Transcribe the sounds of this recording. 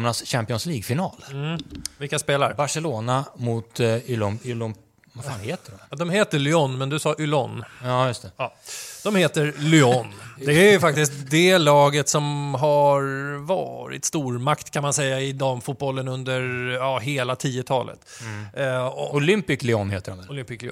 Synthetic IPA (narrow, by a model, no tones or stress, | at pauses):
mnasɕæmpɪɔnsliːɡfɪnɑːl | vɪlkːaspeːla̰ɾbaʂɛloːnamʊt̪ʏlɔnʏlɔn | vafaːnheːt̪ədɔd̪ɔmheːt̪əɭʏɔnːmɛnd̪ɵsɑːʔʏlɔnːɑjɵst̪ʰɛɑːd̪̥ɔmheːt̪əɾlʏɔnd̪ɛæɾjfak̚t̪ɪst̪d̪ɛlɑːɡət̪sɔmɦaɾvɑ̰ːɾɪ̰t̪st̪uːɾmakt̪kʰanmansɛjːaɪd̪ɔmfuːt̪̚bɔlːənɵnd̪əɾjɑːɦeːlat̪ʰiːət̪ʰɑ̰ːlʔə̰t̪ | ɔʊlʏmpɪklɪɔnːheːt̪əɾɔmd̪ɛʊlʏmpɪklɪ